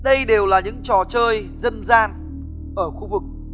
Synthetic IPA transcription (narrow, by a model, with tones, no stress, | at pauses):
ɗə˧jɗe˨˩wlaː˨˩ɲɨ̰˧˥ŋt͡ɕɔ˨˩t͡ɕəː˧j | zə˧nzaː˧n | ʔəː˧˩xu˧vɨ˨˩k̚